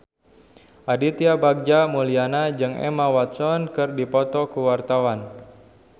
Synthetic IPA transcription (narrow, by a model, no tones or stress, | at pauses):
ʔadit̪iabaɡ̚d͡ʒamulianad͡ʒɨŋɛ̰mawat̪sɔnkɨrdipɔt̪ɔkuwart̪awan